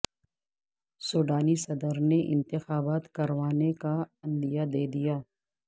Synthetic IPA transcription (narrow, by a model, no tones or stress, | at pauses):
soːɖaːnisɐd̪əɾneʔɪ̰̃nt̪ɪxaːbaːt̪kɐɾʋaːnekaɐ̃nd̪ijad̪eːd̪ijaː